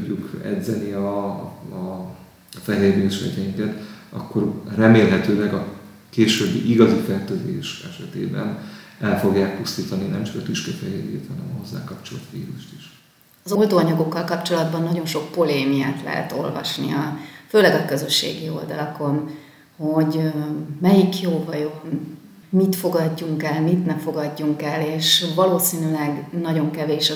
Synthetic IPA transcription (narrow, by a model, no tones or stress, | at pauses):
ukɛ̰d̪zɛniɒ | fɛɦeːɾeːʃɛ̰ɟɛjɲkɛt̪ɒkːo̞rrɛmeːlɦɛt̪øːlɛɡɒ | keːʃøːbːḭʔiɡɒzifɛrt̪øːzeːʃɛʃɛt̪ḛːbɛ̰nɛlfo̞ɡjaːk̚pust̪iːt̪ɒninɛmt͡ʃɒ̥kɒt̪yʃkɛfɛɦeːɾḛːt̪hɒnɛmɒɦo̞zːa̰ːkɒpt͡ʃolt̪ʋḭːɾuʃt̪iʃ | ɒzo̞ld̪oːɒɲɒɡo̞kːɒlkɒpt͡ʃo̞lɒd̪bɒnːɒɟo̞nʃo̞k̚po̞leːmijaːt̪lɛ̰ɦɛ̰t̪o̞̰lvɒ̰ʃnḭɒføːlɛɡɒkø̞zø̞ʃːḛːɡio̞̰ld̪ɒlɒko̞n | ho̞ɟmɛjikjoːvɒjo | mit̪fo̞ɡɒɟːuŋkɛlmit̪nɛfo̞ɡɒɟːuŋkɛlːeːʃvɒloːsiːnylɛɡnɒɟo̞ŋkɛveːʃɒ